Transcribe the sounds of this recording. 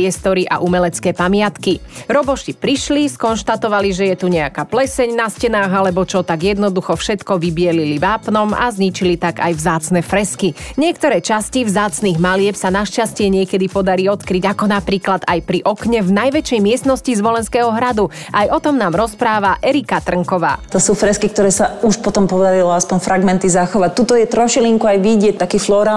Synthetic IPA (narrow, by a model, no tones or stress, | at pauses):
ɛst̪ɔɾiʔa̰ʔumɛlɛt͡skɛːpamɪat̪kiɾɔbɔʃipɾiʃliskɔnʃt̪at̪ɔʋaliʒɛjɛt̪uɲɛakaːplɛsɛɲnascɛnaːɣalɛbɔt͡ʃɔt̪aɡjɛd̪nɔd̪uxɔfʃɛt̪kɔʋibɪɛliliʋaːpnɔma̰zɲit͡ʃilit̪aɡajvzaːt͡snɛfɾɛskiɲɪɛk̚t̪ɔɾɛːt͡ʃascivzaːt͡sniːɣmalɪɛpsanaʃcascɪɛɲɪɛkɛd̪ipɔd̪aɾiɔt̪kɾiɟakɔnapɾiːklad̪ajpɾiʔɔkɲɛvnajʋɛt͡ʃɛjmɪɛsnɔscizʋɔlɛnskɛːɦɔɦɾad̪u | ajɔt̪ɔmnaːmɾɔspɾaːʋaʔɛɾikat̪r̩ŋkɔʋa̰ːt̪ɔsuːfɾɛskik̚t̪ɔɾɛːsauʃpɔt̪ɔmpɔd̪aɾilɔaspɔɲfɾaɡmɛnt̪izaxɔʋac̚t̪ut̪ɔjɛt̪ɾɔʃiliŋkuajʋiɟɪɛc̚t̪akiːflɔɾaː